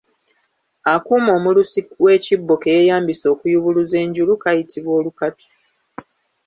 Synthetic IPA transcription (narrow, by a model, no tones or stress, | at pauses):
akuːmo̞ːmulusikwe̞ːcibːo̞ke̞jejaːmbiso̞ːkujuβuluze̞ːɲɟulukajitʰiβwo̞ːlukatu̥